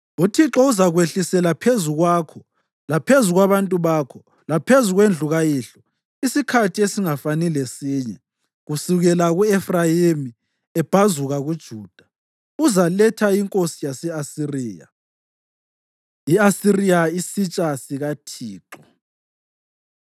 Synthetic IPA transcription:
utʰiǁɔuzaɣweɬisɛlapʰezuɣwaːkʰɔ | lapʰezuɣwaβantʼuβaːkʰɔ | lapʰezuɣwend͡ɮʱuɣajiɬɔ | isikʰatʰiesiŋafanilesiːɲɛ | ɣusuɣɛlaɣuefrajimi | ɛb̥ʱazuɣaɣud̥ʒ̥ʱuːd̥ʱḁ | uzalɛtʰaiŋkʼosijasɛasiriːja̰ | iasirijaisit͡ʃʼasiɣatʰiːǁɔ

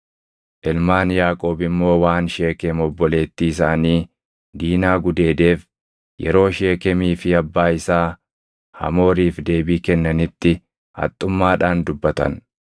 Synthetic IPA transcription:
ʔɪlmaːnjaːkʼo̞ːbɪmːo̞ːwaːnʃe̞ːkɛmɔbːɔle̞ːt̪ːiːsaːniː | d̪iːnaːɡʊd̪e̞ːd̪e̞ːf | jɛ̰ɾo̞ːʃe̞ːkɛmiːfɪɐbːaːɪsaː | hɐ̰mo̞ːɾiːfd̪e̞ːbiːkɛnːɐnɪt̪ːɪ | hɐ̰t̪ʼːʊmːaːᶑaːnd̪ʊbːɐt̪ɐ̰n

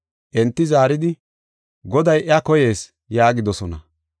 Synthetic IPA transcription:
ʔɛnt̪ːɪzaːɾɪd̪ɪ | ɡɔd̪ɐjʔɪɐkɔje̞ːs | jaːɡɪd̪ɔsɔnɐ

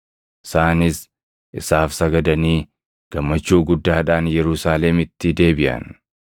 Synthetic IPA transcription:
ʔɪ̥saːnɪs | ʔɪsaːfsɐɡɐd̪ɐniː | ɡ̥ɐmːɐt͡ʃːuːɡʊd̪ːaːᶑaːnjɛɾʊsaːlɛmɪt̪ːɪd̪e̞ːbɪʔɐ̰n

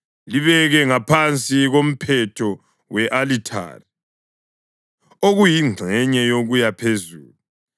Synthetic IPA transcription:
liβɛɣɛŋapʰant͡sʼiɣom̩pʰɛtʰɔ | wɛʔalitʰa̰ːri | oɣujiŋ͡ǀʱɛɲɛjoɣujapʰezuːlu

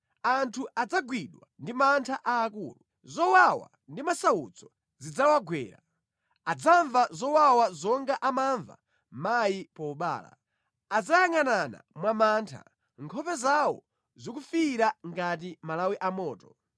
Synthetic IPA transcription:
antʰuʔad͡zaɡwiɗwandimantʰaʔaːkṵːlu | zɔwawa̰ | ndimasawut͡sʰɔ | zid͡zawaɡwɛ̰ːɾa̰ | ad͡zaɱvazɔwawazɔŋɡaʔamaɱva̰ | majipɔuɓa̰ːla̰ | ad͡zajaŋanana̰mwamaːntʰa̰ | ŋkʰɔpɛzawɔ̰ | zɔkufiɾaŋɡat̬imalawiʔamɔːtɔ

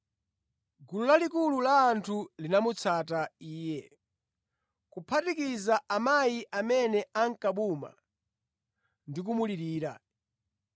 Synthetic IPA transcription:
ɡululalikululaːntʰulinamut͡sʰataiːjɛ | kupʰatikizaʔamajiʔamɛnɛaŋkaɓuma̰ | ndik̬umuliɾiːɾa̰

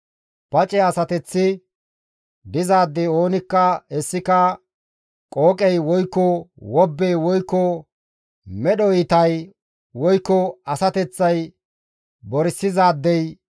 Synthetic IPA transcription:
pɐt͡ʃʼɛɐsɐt̪ɛt͡sːɪ | d̪ɪzaːd̪ːɛjo̞ːnɪkːɐɛsːɪkɐ | kʼoːkʼɛjwɔjkːɔwɔbːɛjwɔjkːɔ | mɛɗɔjɪt̪ɐj | wɔjkːɔɐsɐt̪ɛt͡sːɐj | bɔɾɪsːɪzaːd̪ːɛj

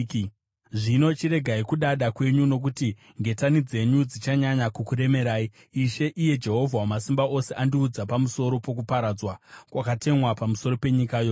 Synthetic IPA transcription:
ʐino̞t͡ʃiɾe̞ɡʱaikuɗaɗakwe̞ɲuno̞k̬uti | ŋɡe̞tanid͡ze̞ɲud͡zit͡ʃaɲaɲakukuɾe̞me̞ɾaːiː | ʃe̞ʔije̞d͡ʒe̞ɦo̞vʱawmasimbaʔo̞se̞ʔandiud͡zapamuso̞ɾo̞po̞kupaɾad͡zwakwakate̞mwapamuso̞ɾo̞pe̞ɲikajo

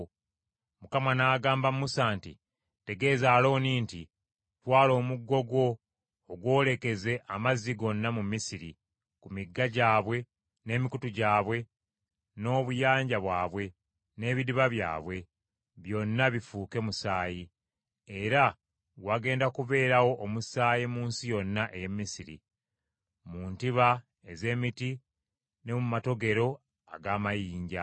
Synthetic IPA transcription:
mukamanaːɡaːmbamusaːntḭ | te̞ɡe̞ːzaːlo̞ːniːnti | twaːlo̞ːmuɡːo̞ɡo̞ː | ɡwo̞ːle̞ke̞ze̞ʔamaziɡo̞nːamumisiɾḭ | kumiɡːaɟaːβwe̞ | ne̞ːmikutuɟaːβwe̞ | no̞ːβujaːɲɟaβwaːβwe̞ | ne̞ːβidiβaβja̰ːβwe̞ | βjo̞nːaβifuːke̞musaːji | e̞ɾa | waɡe̞ːndakuβe̞ːɾawo̞ʔːmusaːjimuːnsijo̞nːaʔe̞jemːisiɾḭ | muːntiβa | eze̞ːmiti | ne̞mumato̞ɡe̞ɾo̞ | a̰ɡaːmajiːɲɟa̰

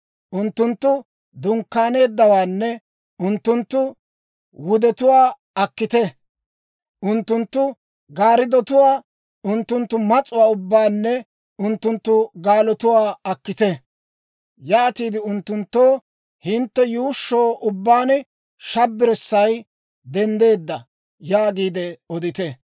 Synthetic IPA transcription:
ʔʊnt̪ːʊnt̪ːʊ | d̪ʊŋkːaːne̞ːd̪ːɐwaːnːɛ | ʊnt̪ːʊnt̪ːʊ | wʊd̪ɛt̪ʊwaː | ɐkːɪt̪ɛ | ʔʊnt̪ːʊnt̪ːʊ | ɡaːɾɪd̪ɔt̪ʊwaː | ʔʊnt̪ːʊnt̪ːʊmɐt͡sʼʊwaːʊbːaːnːɛ | ʊnt̪ːʊnt̪ːʊɡaːlɔt̪ʊwaːɐkːɪt̪ɛ | jaːt̪iːd̪ɪʊnt̪ːʊnt̪ːoː | hɪnt̪ːɛjuːʃːoːʔʊbːaːn | ʃɐbːɪɾɛsːɐj | d̪ɛnd̪e̞ːd̪ːɐ | jaːɡiːd̪ɛɔd̪ɪt̪ɛ

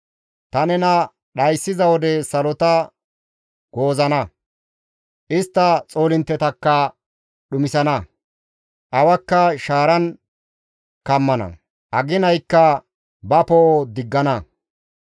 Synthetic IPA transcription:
t̪ɐnɛnɐ | ɗɐjsːɪzɐwɔd̪ɛsɐlɔt̪ɐ | ɡ̥o̞ːzɐnɐ | ʔɪst̪ːɐt͡sʼoːlɪnt̪ːɛt̪ɐkːɐ | ɗʊmɪsɐnɐ | ʔɐwɐkːɐʃaːɾɐn | kɐmːɐnɐ̰ | ʔɐɡɪnɐjkːɐ | bɐpɔʔod̪ɪɡːɐnɐ

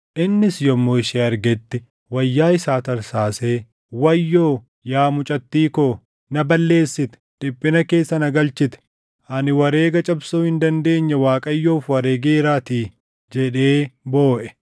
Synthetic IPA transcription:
ʔɪnːɪsjɔmːoːɪʃeːɐɾɡɛt̪ːɪ | wɐjːaːɪsaːt̪ɐɾsaːseː | wɐjːoː | jaːmʊt͡ʃʼɐt̪ːiːkoː | nɐbɐlːe̞ːsːɪt̪ɛ̥d̪̥ɪpʼːɪnɐke̞ːsːɐnɐɡɐlt͡ʃɪt̪ɛ̥ | ʔɐnɪwɐɾe̞ːɡɐt͡ʃʼɐbsoːhɪnd̪ɐnd̪e̞ːɲːɐwaːkʼɐjːoːfwɐɾeːɡeːɾaːt̪iː | d͡ʒɛᶑe̞ːbo̞ːʔɛ̥

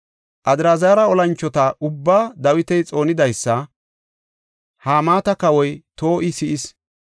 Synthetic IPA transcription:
ʔɐd̪ɪɾaːzaːɾɐɔlɐnt͡ʃːɔt̪ɐʔʊbːaːd̪ɐwɪt̪ɛjt͡sʼo̞ːnɪd̪ɐjsːɐ | haːmaːt̪ɐkɐwɔjt̪o̞ːʔɪsɪʔɪs

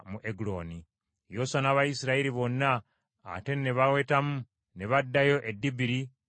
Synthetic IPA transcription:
muʔeɡulo̞ːni | josanaβajisiɾaiɾiβo̞nːa̰ː | te̞neβawe̞ːtamu | neβadːajo̞ʔedːibiɾi

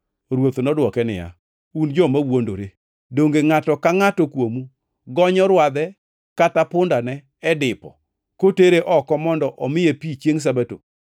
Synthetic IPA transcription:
ɾwot̪onɔdwɔkɛnɪ̰ja̰ | und͡ʒɔmawondo̰ɾe | doŋɡeŋatɔkaŋatɔkwomu | ɡɔɲɔɾwad̪ɛ | katapʊndanɛ | ɛdɪpɔ̰ | koteɾeʔɔkɔmɔndɔʔɔmɪjepit͡ʃjeŋs̬abato̰

